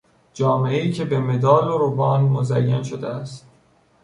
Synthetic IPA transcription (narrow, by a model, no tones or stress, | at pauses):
d͡ʒɒːmeeiːcʰe̞beme̞d̪ɒːloɾobɒːnmozæjːænʃod̪eæst̪